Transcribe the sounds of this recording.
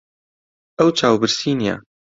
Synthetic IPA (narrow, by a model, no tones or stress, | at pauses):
ɛwt͡ʃʰaːwbɨɾsiːnija̰